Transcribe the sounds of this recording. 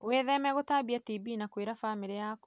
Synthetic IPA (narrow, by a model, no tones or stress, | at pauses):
weðɛmɛɣotaːbiatibinakweːɾafamiɾejaːkɔ